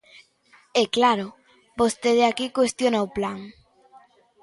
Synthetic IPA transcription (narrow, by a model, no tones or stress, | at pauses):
ɛklaɾʊ | bost̪eðeakikwest̪jonaoplaŋ